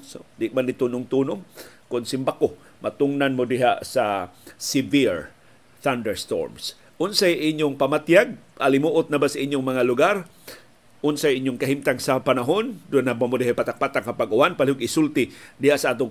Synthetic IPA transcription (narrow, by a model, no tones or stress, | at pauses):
sod̪ɪʔmanɪt̪uːnʊŋt̪uːnoŋkʊnsɪmbako | mat̪ʊŋnanmod̪ɪɦasasɪviɹ | θand̪ɛɹst̪o̰ɹms | ʔʊnsajʔɪɲjʊŋpamat̪jaɡ̚ʔalɪmuʔʊt̪̚nabasaʔɪɲjʊŋmɐŋalʊɡaɾ | ʔʊnsajʔɪɲjʊŋkɐɦimt̪aŋsapanaɦond̪ʊnabamod̪ɪhajpat̪ak̚pat̪aŋkapaɡʔʊwanpalɪhoɡɪsult̪ɪd̪ɪhaʔsaʔaːt̪ʊŋ